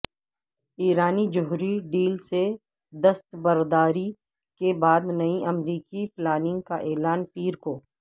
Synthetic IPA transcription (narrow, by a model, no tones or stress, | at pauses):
iːɾaːnid͡ʒʊɦɾiɖiːlse | d̪ɐst̪bəɾd̪aːɾi | kebaːd̪nɐiʔɐmɾiːkiplaːnɪ̃ŋɡkaʔɛːlaːnpiːɾkoː